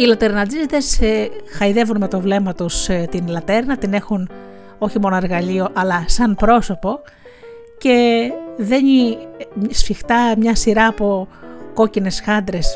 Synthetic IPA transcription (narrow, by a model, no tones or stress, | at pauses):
ilɐt̪e̞ɾnɐd͡zizt̪esxɐiðe̞vunme̞t̪o̞vle̞mɐt̪ust̪inlɐt̪e̞ɾnɐt̪ine̞xun | o̞çimo̞noe̞ɾɣɐlio̞ʔɐlɐsɐnpɾo̞so̞po̞ | ce̞ðe̞ni | sfixt̪ɐmɲɐsiɾɐːpo̞ko̞cine̞sxɐnd̪ɾe̞s